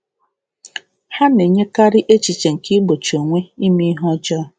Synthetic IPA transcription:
ha˦ne˨ɲe˦ka˦ɾɪ˦ʔe˦t͡ʃi˨t͡ʃe˨ŋ̩˨ki˦ɡ͡bo˨t͡ʃo˨ŋʷe˦i˦mi˦ɦɔ˦d͡ʒɔ˦˨

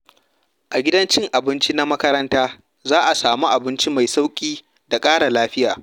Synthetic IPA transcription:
ʔa˨ɡʲɪ˦dɐ˦nt͡ʃɪ˦ŋʔa˨bɪ˦nt͡ʃi˦na˦mɐ˦kɐ˦ɾɐ˦ntaː˦ | zaː˦ʔa˨saː˨mu˦ʔa˨bɪ˦nt͡ʃi˦ma˨jsa˦wkʲʼiː˦ | da˨kʼaː˦ɽa˨laː˦ɸɪ˦ja̰ː˨

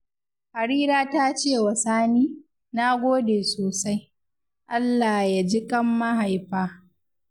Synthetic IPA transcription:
ha˨ɾiː˦ɾaː˦ta˦t͡ʃeː˦˨wɐ˨saː˦niː˦ | na˦ɡʷoː˦deː˨soː˨sa˦j | ʔa˦lːaː˨ja˨d͡ʒɪ˦kʼɐ˦mːa˦ɦa˨jɸaː˦

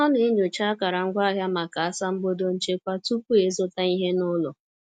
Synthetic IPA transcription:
ɔ˦ne˨e˦ɲo˨t͡ʃa˦ka˨ɾa˨ŋ̩˦ɡʷa˦ɦja˦ma˨ka˨a˦sa˦m̩˦bo˦do˦n̩˦t͡ʃe˦kʷa˦tu˦p̚u˦e˨zʊ˦ta˦i˦ɦe˦nʊ˦lʊ̰˨

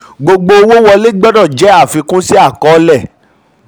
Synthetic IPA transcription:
ɡ͡bo˧ɡ͡bo˧wo˦wɔ˧le˦ɡ͡bɔ˦dɔ̃˦˨d͡ʒɛ˨˦a˦˨fi˧kũ˦si˦a˦˨kɔ˨˦lɛ˦˨

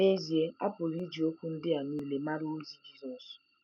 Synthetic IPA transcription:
e˦zi˨e˦a̰˦pʊ˨ɾi˦d͡ʒi˨o˦kʷu˦n̩˦dɪ˦a˨ni˦le˨ma˦ɾo˦o˦zi˨d͡ʒi˦zɔ˨s

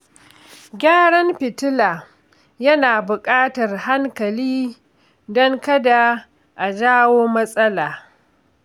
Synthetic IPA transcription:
ɡʲaː˦ɽɐ˦mɸɪ˨tʊ˦laː˨ | jɐ˦naː˨bʊ˨kʼaː˦tɐ˨rha˦ŋkɐ˨liː˦ | dɔ˦ŋkɐ˦da˨ | ʔa˨d͡ʒaː˦woː˦mɐ˦sʼɐ˦laː˨

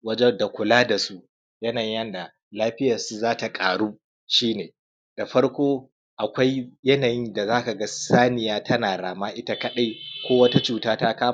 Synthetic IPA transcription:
wɐ˦d͡ʒɛ˦da˨kʷʊ˨laː˦da˨su˦ʔ | jɐ˦na˨jɲ˦jɐ˦nda˨ | laː˦ɸɪ˦jɐ˨rsu˦zaː˦ta˨kʼaː˨ɽuː˦ | ʃiː˦neː˨ | d̥a˨ɸɐ˦ɽkʷoː˦ | ʔa˨kʷa˦jjɐ˦naː˨jɪ˦nda˨zaː˦ka˨ɡɐ˦saː˦nɪ˨jaː˦tʰɐ˦naː˨ɽaː˨maː˦ʔɪ˦ta˦kɐ˦ɗa˦jkʷoː˦wɐ˦ta˦t͡ʃuː˨taː˦taː˦kaː˦

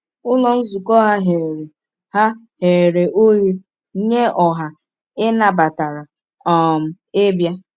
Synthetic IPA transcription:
ʊ˦lɔ˦n̩˦zu˨kɔ˦ɦa˦ɦe˨ɾe˨ | ha˦ | he˨ɾe˨ʔo˦ji˦ | ɲe˦ɔ˨ɦa˨ | ɪ˦na˨ba˨ta˨ɾa˨ | ɔ˨m̩˨ | ɪ˦bja˦

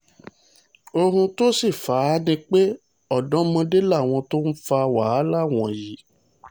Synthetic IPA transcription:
o˧ɦũ˧to˦si˦˨fa˨˦nĩ˧˦k͡pe˦ | ɔ˦˨dɔ̃˦mã˧de˦la˦˨w̃ɔ̃˧to˦n̩˦fa˧wa˨˦la˦˨w̃ɔ̃˨ji˨˦

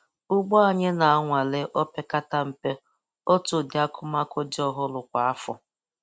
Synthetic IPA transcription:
ʊ˦ɡ͡bɔ˦a˦ɲe˦na˨a˦ŋʷa˨le˦ʔɔ˦pe˦ka˦ta˦m̩˨pe˦ | o˦tʊ˨dɪ˨a˦kʰʊ˦ma˦ko˦dɪ˦ɔ˦ɦʊ˦lʊ˨kʷa˨a˦fʊ˨

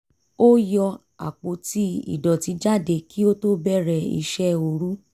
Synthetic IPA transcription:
o˦jɔ˧ | a̰˨k͡po˨˦ti˦ḭ˦˨dɔ˨ti˨˧˦d͡ʒa˦˨de˧ki˦o˦to˦bɛ˦˨ɾɛ˧ḭ˧ʃɛ˦o˧ɾu˦

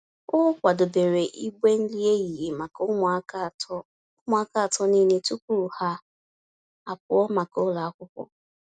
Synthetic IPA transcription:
ʊ˦kʷa˨dʊ˨be˨ɾe˨ʔi˦ɡʷe˦n̩˦li˦e˦ɣi˨ɦe˨ma˨k | ʊ˦m˨˦a˦ka˦a˨tɔ˦ni˦ne˦tu˦k̚u˦˨ha˦ | a˨pʊ˨ɔ˦ma˨kʊ˦la˨a˦kʷʊ˦kʷɔ̰˦

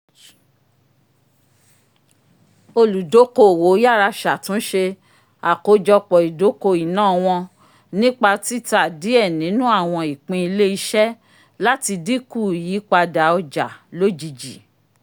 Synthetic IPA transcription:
o˧lu˨do˨˦ko˧˦˨wo˨˦ja˦˨ɾa˧ʃa˨tũ˨˦ʃe˧ | a˨ko˨˦d͡ʒɔ˧k͡pɔ˨i˨do˨˦ko˧i˨nãː˦˨w̃ɔ̃˧ | nĩ˦k͡pa˧ti˦ta˨di˨˦ɛ˦˨nĩ˨˦nũ˦a˦˨w̃ɔ̃˧i˨k͡pĩ˧i˧le˦i˧ʃɛ˦ | la˦ti˧di˦ku˦˨ji˨˦k͡pa˧da˨˦ɔ˧d͡ʒa˨lo˦d͡ʒi˧d͡ʒi˨

